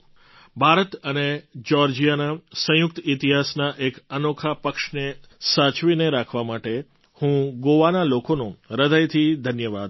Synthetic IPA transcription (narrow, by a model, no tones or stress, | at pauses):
bʱaɾət̪əned͡ʒɔɾd͡ʒijanasə̃jʊk̚t̪it̪iɦasnaʔekənokʰapəkʃnesat͡ʃʋineɾakʰʋamaʈe | hũɡoʋanalokonũɾəd̪ʱəjt̪ʰid̪ʱənjəʋad̪